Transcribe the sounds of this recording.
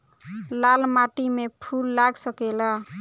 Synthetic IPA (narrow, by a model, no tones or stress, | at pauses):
lalmaʈimepʰulːaɡsʌkela